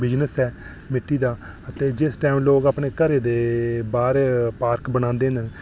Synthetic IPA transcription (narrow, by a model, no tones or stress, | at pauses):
bɪd͡ʒnəsɛː | mɪʈːiːd̪aː | ət̪eːd͡ʒɪsʈɛːmloːɡaːpɳeːkəɾeːd̪eːbaːɾpaːɾkbəñãːnd̪eːɦn